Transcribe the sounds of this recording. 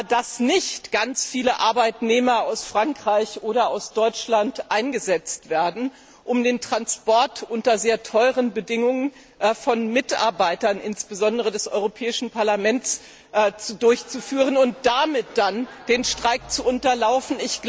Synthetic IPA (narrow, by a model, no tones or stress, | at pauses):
dasnɪçtɡ̥ant͡sfiːləʔa̰ɐbaɪtneːmɐaʊsfʁ̥aŋkʁ̥aɪçʔoːɾɐaʊsd̥ɔʏt͡ʃlantʔaɪnɡəzɛt͡stv̥eːɐdn̩ | ʔʊmdeːntʁ̥anspɔɐtʰʔʊntɐzeːɐtʰɔʏʁ̞ənbədɪŋʊŋən | fɔnmɪtʔa̰ɐbaɪtɐnʔɪnsb̥əzɔndəʁədɛsʔɔ̰ʏʁopʰɛːɪʃn̩paɐlamɛntt͡sː | t͡sudʊɐçt͡sufyːʁ̞ənʊnt̚d̥amɪt̚d̥and̥eːnʃtʁ̥aɪk̚t͡suʔʊntɐlaʊfn̩ɪçɡ̥